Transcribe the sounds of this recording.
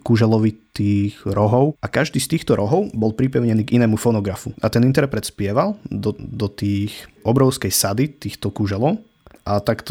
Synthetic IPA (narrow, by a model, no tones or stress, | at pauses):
kuʒɛlɔʋit̪iːxɾɔɦɔʊʔakaʒd̪iːst̪iːxt̪ɔɾʔɔɦɔʊbɔlpɾipɛʊɲɛniːɡinɛːmufɔnɔɡɾafuʔat̪ɛnint̪ɛɾpɾɛt̪spɪɛʋalˠd̪ɔd̪ɔt̪iːxʔɔbɾɔʊskɛjsad̪it̪iːxt̪ɔkuʒɛlɔʊ | ʔat̪akt̪ɔ